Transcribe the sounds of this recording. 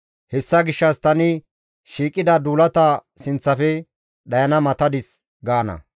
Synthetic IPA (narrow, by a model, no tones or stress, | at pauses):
hɛsːɐɡɪʃːɐst̪ɐnɪ | ʃiːkʼːɪd̪ɐd̪uːlɐt̪ɐ | sɪnt͡sːɐfɛ | ɗɐjɐnɐmɐt̪ɐd̪ɪs | ɡaːnɐ̰